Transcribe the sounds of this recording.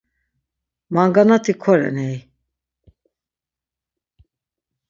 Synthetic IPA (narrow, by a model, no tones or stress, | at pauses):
maŋɡanat̪ʰikʰɔɾɛ̰nɛj